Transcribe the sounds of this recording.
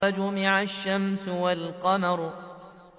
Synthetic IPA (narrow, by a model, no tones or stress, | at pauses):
ad͡ʒʊmɪʕaʃːamsʊwalqɑmɑɾˤ